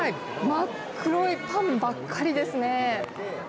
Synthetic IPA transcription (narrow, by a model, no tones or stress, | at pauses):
ai | makʰ | ɯ̟ɾoipãmbakʰːaɾʲid̪e̞sɨne̞